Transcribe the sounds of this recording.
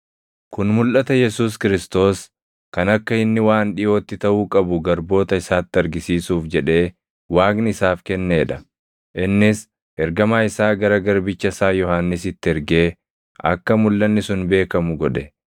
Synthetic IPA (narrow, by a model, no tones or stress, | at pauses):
kʊnmʊlʔɐt̪ɐjɛsuːs̬kɪɾɪst̪o̞ːs | kɐnɐkːɐɪnːɪwaːnᶑɪjo̞ːt̪ːɪt̪ɐʔuːkʼɐbʊɡɐɾbo̞ːt̪ɐɪsaːt̪ːɪɐɾɡɪsiːsuːfd͡ʒɛᶑe̞ː | waːɡnɪɪsaːfkɛnːe̞ːᶑɐ | ʔɪnːɪs | ʔɛɾɡɐmaːɪsaːɡɐɾɐɡɐɾbɪt͡ʃːɐsaːjɔhaːnːɪsɪt̪ːɪɛɾɡe̞ː | ʔɐ̰kːɐmʊlːɐnːɪsʊnbe̞ːkɐmʊɡɔᶑɛ